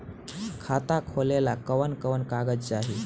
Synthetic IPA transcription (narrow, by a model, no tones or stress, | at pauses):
kʰat̪akʰolelakəʋənkəʋənkaɡəd͡zt͡saɦi